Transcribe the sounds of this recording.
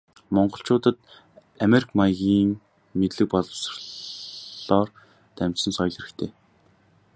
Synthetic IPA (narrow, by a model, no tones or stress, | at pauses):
mɔɴɢɞ̆ɬt͡ɕʊːt̪ə̆t̪̚ | ameɾikʰmajɣʲiːŋ | met̪ɮɘ̆k̚pɔɮɞ̆wsr | ɔːr | t̪æm̥ʲt͡ɕsə̆nsɔjɮĭɾɘ̆kt̪ʰeː